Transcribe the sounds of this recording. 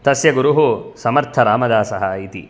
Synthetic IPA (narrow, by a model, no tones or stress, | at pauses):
t̪ɐsjɐɡuɾuɦusɐmɐɾt̪ʰɐɾaːmɐd̪aːsɐɦɐit̪ḭ